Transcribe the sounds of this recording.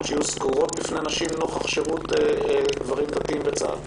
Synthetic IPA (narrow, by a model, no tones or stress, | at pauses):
t͡ʃɛjusɡuʁo̞t̪̚bifnenaʃimnoχaχʃeʁuted̪vaʁimd̪at̪iimbet͡sa̰d